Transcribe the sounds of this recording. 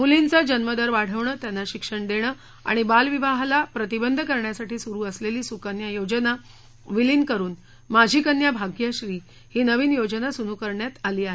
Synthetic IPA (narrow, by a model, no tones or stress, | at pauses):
ɦulint͡sad͡ʑənməd̪əɾʋaɽ̤əʋɳəːt̪janːaɕikʂəɳd̪eɽ̃əː | a̰ɽ̃ibalʋiʋaɦlapɾət̪ibənd̪ʱəkəɾɳjasaʈiːsuɾuːəsleliːsukənjajod͡ʑəna | ʋiliːnkəɾuːn | mad͡ʑʱiːkənjabʱaɡjaɕɾiː | hiːnəʋiːnjod͡ʑənasunukəɾɳjat̪aliːaɦe